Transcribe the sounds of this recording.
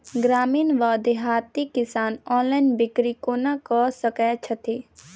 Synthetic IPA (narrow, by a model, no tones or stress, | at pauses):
ɡɾaːmiːnʋaːd̪eɦaːt̪ikɪsaːnɔ̃ːnlaɪnbɪkɾikonakɔsəkɛːt͡ʃʰət̪ʰiː